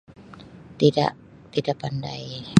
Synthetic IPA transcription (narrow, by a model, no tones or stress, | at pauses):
t̪ida̰ʔ | t̪idaʔpandaj